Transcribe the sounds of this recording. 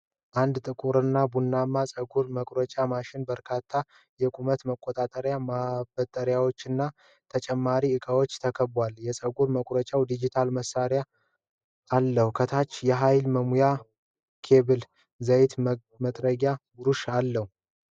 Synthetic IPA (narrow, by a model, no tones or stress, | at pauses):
ʔand̪t̪ʼɨkʼuɾɨnːabunːamːasʼəɡuɾməkʼɾət͡ʃʼamaʃɪnbəɾkʰat̪ʰːa | jɛkʼumət̪məkʼːot̪ʼat̪ʼəɾjamabət̪ʼːəɾjawo̞t͡ʃːɨnːa | t̪ʰət͡ʃʼɛmːaɾiɨkʼawo̞t͡ʃːt̪ʰəkʰəbwaljɛsʼəɡuɾməkʼɾət͡ʃʼawd̪id͡ʒit̪ʰalməsaɾjaː | lːəhukʰət̪ʰat͡ʃːjɛɦajlməmuja | kʰe̞βɨl | zəjt̪ | mət̪ʼɾəɡjaɡuɾuʃalːəhu